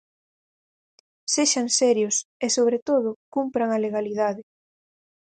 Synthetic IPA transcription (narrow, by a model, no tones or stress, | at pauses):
seʃaŋsɛɾjʊsesoβ̞ɾet̪oð̞ʊkumpɾaŋɐleɣaliðaðɪ